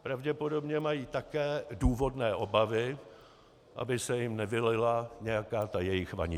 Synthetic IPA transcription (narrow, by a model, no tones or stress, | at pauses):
pɾavɟɛpo̞do̞bɲɛmajiːt̪akɛːduːvo̞dnɛːʔo̞bavɪ | ʔa̰bɪsɛjɪmnɛvɪlɪlaɲɛjakaːt̪ajɛjɪxva̰ɲɪ